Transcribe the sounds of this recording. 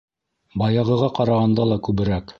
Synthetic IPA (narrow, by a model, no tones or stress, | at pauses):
bɑjɑʁɤ̆ʁɑqɑɾɑʁɑnd̪ɑlˠɑkʉβɘ̆ɾæk